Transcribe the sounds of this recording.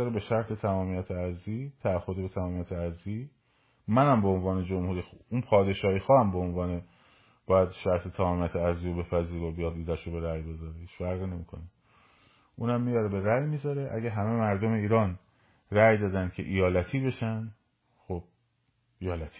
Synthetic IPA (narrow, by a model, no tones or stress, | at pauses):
ɒɾebe̞ʃæɾt̪ʰe̞t̪ʰæmɒːmijæt̪ʰeæzliːt̪ʰæːhod̪ebet̪ʰæmɒːmijæt̪ʰeæzliː | mænæmbeonvɒːne̞d͡ʒomhuːɾiːxunpʰɒːd̪e̞ʃɒːiːxɒːæmbeonvɒːne̞ | b̥ɒːjæd̪ʃæɾt̪ʰe̞t̪ʰæmɒːmiæt̪ʰeæzliːjobe̞fæziːɾobijɒːd̪iːzæʃobe̞ɾæjbe̞zɒɾehiːt͡ʃfæɾɣiːne̞miːkʰo̞ne | ʔuːnæmːijɒːɾebeɾæjmiːzɒɾeʔæ̰ɟæɦæmemæɾd̪ome̞iːɾɒːn | ræjd̪ɒːd̪æn̥kʰe̞̰ʔijɒːlæt̪ʰiːbe̞ʃænd̪ | xob̥̚ | ʔijɒːlæt̪ʰi̥